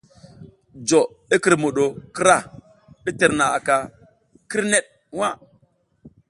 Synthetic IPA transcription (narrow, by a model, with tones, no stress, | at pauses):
d͡ʒo˨ | i˦ki˨ɾmo˨ɗo˨ki˦ɾa˦˨ | i˦te˨ɾna˨a̰˨ka˨ | ki˦ɾne˦t̚ | wa˦˨